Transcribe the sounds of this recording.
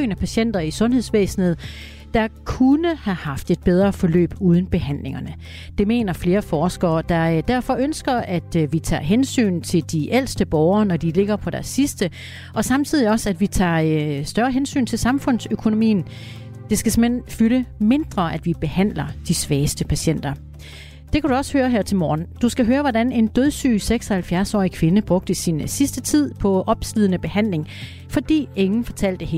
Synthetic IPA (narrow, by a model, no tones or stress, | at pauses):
næpʰæɕen̰d̥ɐisɔ̽nhe̝ðˠsʋḛːsn̩ð̞̩ˠ | d̥ɑ̈kʰunəhæhɑ̈fd̥e̝d̥̚b̥eð̞ˠʁɐːfɒ̽lø̰ːb̥uːð̞ˠn̩b̥e̝ɦæn̰le̝ŋɐnə | d̥e̝me̝̰ːnɐfle̝ːɐfɒːsɡ̥ɐːd̥ɑ̈d̥æɐfɒ̽ʔønsɡ̥ɐæd̥ʋit͡sʰɑ̰̈ːɦensy̰ːnt͡sʰe̝ld̥iʔel̰sd̥əb̥ɒʊɐːnɒd̥ile̝ɡ̥ɐpʰɒ̽ɾ̥æɐsːisd̥ə | ɒ̽sɑ̈mt͡sʰið̞̰ˠiɒ̽sæd̥ʋit͡sʰɑ̰̈ːsd̥ɶɐɦensy̰ːnt͡sʰe̝lsɑ̈mfɔ̽n̰søkʰo̝no̝mḭːn̩ | d̥e̝sɡ̥æse̝menfyləme̝nd̥ʁɐʔæd̥ʋib̥e̝hæn̰lɐd̥isʋɛːsd̥əpʰæɕen̰d̥ɐ | d̥e̝kʰæɾ̥uɒ̽shøːɐɦæɐ̰t͡sʰe̝lmɒːnd̥usɡ̥æɦøːɐʋɒdæne̝nd̥øðˠsy̰ːseɡ̥sɒ̽hælfjæɐsɒ̰ːikʰʋe̝nəb̥ʁɔ̽ɡ̥̚d̥əsinsisd̥ət͡sʰið̞̰ˠpʰɒ̽ʔɒ̽b̥slið̞ˠənəb̥e̝hæn̰le̝ŋ | fɒ̽d̥ḭːe̝ŋn̩fɒ̽t͡sʰæl̰d̥ehe